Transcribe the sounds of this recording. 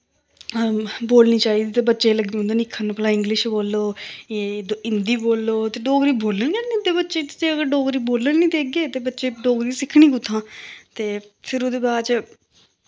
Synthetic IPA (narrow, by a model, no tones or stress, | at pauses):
boːlniːt͡ʃaːiːd̪iːt̪eːbətːʃeːləɡõnd̪eːnɪkʰːənpəlãːɪ̃ŋɡlɪʃboːlːoːed̪oɪnd̪iːboːlːoːt̪eːɖoːɡɾiːboːlənkɛnnĩːt̪eːbətːʃe̥ːt̪eːəɡəɾɖoːɡɾiːboːlənniːd̪eːk̚ɡeːt̪eːbətːʃeːɖoːɡɾiːsɪkʰɽ̃iːkʊt̪ʰːãːt̪eː | pʰɪɾod̪eːbaːt͡ʃ